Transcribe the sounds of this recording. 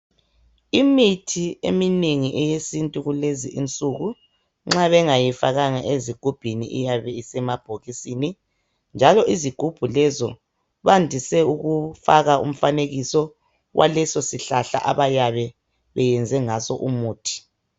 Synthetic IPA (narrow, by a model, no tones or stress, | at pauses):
imitʰiḛmineŋiʔɛjesintʼuɣuleziʔint͡sʼuɣu | ŋ͡ǁaβɛŋajifaɣaŋaʔeziɡ̥ʱub̥ʱinḭʔḭjaβɛisɛmab̥ʱoɣisini | nd͡ʒʱalɔʔiziɡ̥ʱub̥ʱulɛzɔ | βandʱisɛuɣufaɣaʔṵm̩faneɣisɔ | ɣwʔa̰lɛsɔsiɬaɬa̰ʔa̰βajaβɛ | βɛjɛnd͡zʱɛŋasɔ̰ʔumuːtʰi̥